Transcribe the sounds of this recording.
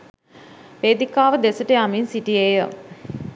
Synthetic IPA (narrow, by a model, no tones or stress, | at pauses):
ʋeːd̪ikaːʋəd̪esəʈəjaminsiʈijeːjə